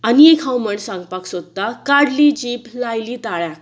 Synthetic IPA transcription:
aniekʰãwməɳsãŋɡpaksod̪d̪akaɽlid͡ʑiːplajlit̪aɭjã

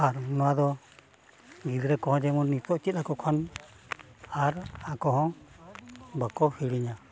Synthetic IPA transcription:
aɾnɔwad̪ɔ | ɡid̪ɾɛkɔɦɔ̃d͡ʒɛmunːit̪ɔʔt͡ʃit̪̚akɔkʰɔn | aɾakɔɦɔ̃ | bakɔhiɽiɲa

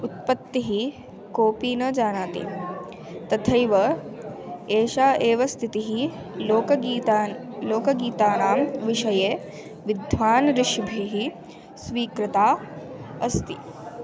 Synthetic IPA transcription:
ut̪̚pɐt̪ːiɦi | koːpiːnɐd͡ʒaːnaːt̪ḭ | t̪ɐt̪ʰɐjʋɐ | eːʃaːʔeːʋɐst̪ʰit̪iɦi | loːkɐiːt̪ːloːkɐɡiːt̪aːnaːmʋiʃɐjeː | ʋid̪ʱʋaːnɾɪʃbʱiɦi | sʋiːkɾɪt̪aː | ɐst̪i

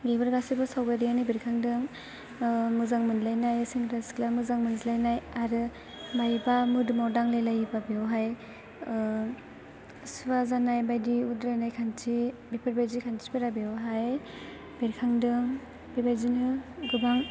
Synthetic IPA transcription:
ɡebɯɾɡasibɯsawbajɾijanibiɾkʰaŋdɯŋ | mɯzaŋmɯnlajnajsiŋɾasklamɯzaŋmɯnzilajnajaɾɯ | majbamɯdɯmawdaŋlajlajbabiawɦaj | subazanajbajdiudɾanajkʰantʰibipʰaɾbajzikʰantʰi̥bɯɾabiawɦaj | biɾkʰaŋdɯŋ | bibajzinɯɡubaŋ

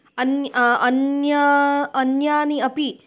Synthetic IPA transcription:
ɐnjɐnjɐɐnjaːniɐpi

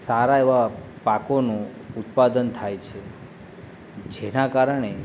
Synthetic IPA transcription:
saɾaeʋa | pakonũut̪pad̪ənt̪ʰajt͡ʃʰe | d͡ʒenakaɾəɳe

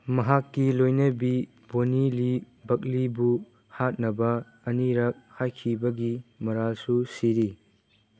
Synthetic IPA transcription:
mɐɦakːilojnɐbi | bonili | bɐk̚libu | hat̚nɐbɐ | ɐniɾɐk̚hajkʰibɐɡimɐɾalsusiɾi

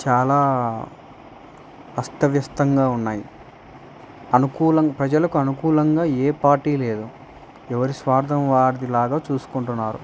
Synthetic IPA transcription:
t͡ʃaːlaː | ɐst̪ɐʋjɐst̪ɐŋɡaːunːaːji | ɐnukuːlɐŋpɾɐd͡ʒɐlɐkuɐnukuːlɐŋɡaːeːpaːɾʈiːle̞ːd̪u | ɛʋɐɾisʋaːɾd̪ʰʱɐmʋaːɾd̪ilaːɡaːt͡ʃuːsu̥kuɳʈunːaːɾṵ

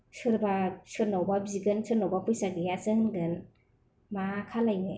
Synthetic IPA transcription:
sɯɾbasɯɾnawbabziɡɯnsɯɾnawbapujsaɡijazɯŋdɯn | makʰalajnɯ

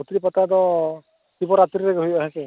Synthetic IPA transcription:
ut̪ɾipat̪ad̪ɔ | t̪ibɔɾat̪ɾiɾɛɡɦujaɦesɛ

